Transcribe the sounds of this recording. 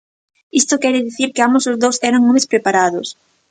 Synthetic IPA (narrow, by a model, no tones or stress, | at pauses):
ist̪okɛɾɪðiθiɾkɪambosozðowsɛɾaŋomespɾepaɾaðʊs